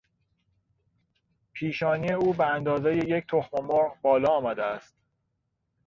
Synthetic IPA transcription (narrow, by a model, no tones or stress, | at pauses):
pʰiːʃɒːniːe̞uːbeænd̪ɒːze̞jejecʰt̪ʰo̞xmomoɾʁbɒːlɒːmæd̪eæst̪